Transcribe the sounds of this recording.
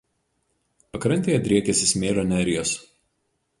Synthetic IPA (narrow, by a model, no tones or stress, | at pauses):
pɐkɾɐnʲt̪ʲeːjɛd̪ʲɾʲiɛkʲɛsʲɪsmʲeːlʲoːnʲæːɾʲɪjoːs